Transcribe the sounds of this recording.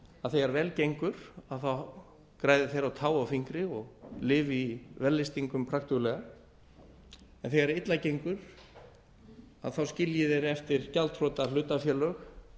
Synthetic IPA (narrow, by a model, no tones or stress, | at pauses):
aðθeɣaɾvɛːlcejŋkʏɾ̥aðθaw | kɾaːjðɪθejɾawt̪ʰaːwawfiŋkɾɪɔɣlɪːvivɛlːɪst̪iŋkʏmpʰɾaxt̪ʏɣlɛːɣa | ɛnθɛɣaɾɪt̪lacejŋkʏɾ̥ | a̰ðθawscɪljɪðɛɾɛft̪ɪɾ̥calt̪ʰrɔːt̪alʏːt̪afjɛːlœx